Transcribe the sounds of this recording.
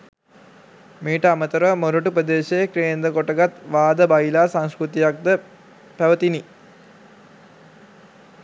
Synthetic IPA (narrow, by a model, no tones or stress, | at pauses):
miːʈəamət̪əɾəmoɾuʈupɾəd̪eːʃəjekɾijnd̪əkoʈəɡat̪ʋaːd̪əbajilaːsaŋskɾut̪ijak̚d̪ə | pæʋət̪ini